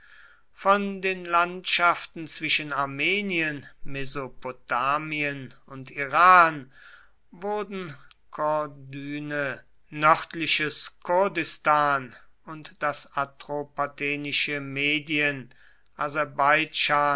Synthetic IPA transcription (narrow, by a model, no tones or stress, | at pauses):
fɔndeːnlantʃaftn̩t͡sv̥ɪʃənaɐmeːniənmɛzopotaːmiənʊntiʁaːn | vʊɐdn̩ | kʰɔdyːnə | nœʁtlɪʃəskʰʊɐdɪstaːnʊntd̥asatʁopatʰɛːnɪʃəmeːdiən | ʔazɛɐbaɪd͡ʒaː